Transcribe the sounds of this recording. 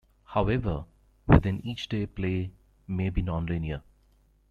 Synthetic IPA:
haʊɛʋəɾ | ʋɪ̰d̪ɪ̃niːt͡ʃɖeːpleː | meːbiːnɔ̃ːnlɪ̃niə

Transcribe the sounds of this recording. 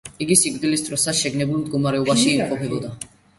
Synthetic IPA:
iɡisik̚ʼd̪ilist̪ʼɾɔsad̪ʃɛɡnɛbulˠmd̪ɡɔmaɾɛɔbaʃiɛmqʼɔpʰɛbɔd̪a

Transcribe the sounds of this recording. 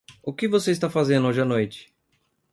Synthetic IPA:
ʊkɪvoseist̪afazẽnd̪oʒɐnojt͡ʃɪ̥

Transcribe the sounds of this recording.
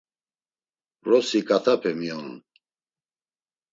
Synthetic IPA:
rɔsikʼat̪ʰapʰɛmiɔn

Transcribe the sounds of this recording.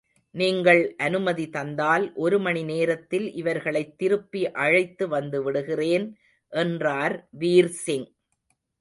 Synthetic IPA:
niːŋɡɐɭʔɐnɯmɐðit̪ɐnd̪aːlʔɔɾɯmɐɳineːɾɐt̪ːɪlʔɪʋɐɾɣɐɭɐɪt̪ːɪɾɯpːiʔɐɻɐɪt̪ːɯʋɐnd̪ɯʋɪɽɯɣɪreːn | ʔɛndraːɾʋiːɾsɪŋ

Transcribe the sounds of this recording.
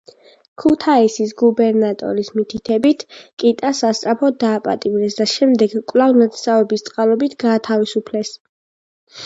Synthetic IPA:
kʰut̪ʰaisisɡubɛɾnat̪ʼɔ̰ɾismit̪ʰit̪ʰɛbit̪ʰkʼit̪ʼasast̪ʼɾapʰɔd̪aːpʼa̰t̪ʼivnɛsd̪aʃɛmd̪ɛɡkʼvlˠavnat̪savɛbist̪sʼqʼalˠɔbit̪ʰɡaːt̪ʰavisupʰlɛs

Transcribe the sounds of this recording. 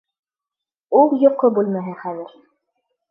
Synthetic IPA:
ulˠjŏqːobʉlˠmæɦɘχæðɘ̆ɾ

